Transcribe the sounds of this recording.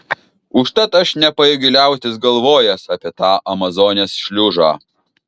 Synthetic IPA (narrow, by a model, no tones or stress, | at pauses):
ʊʃt̪ɐt̪ɐʃnʲɛpɐjɪɡʲɪlʲæˑʊt̪ʲɪsɡɐlˠʋoːjɛsɑːpʲeɛt̪ɑːʔɐmɐzoːnʲeːsʃʲlʲʊʒɑː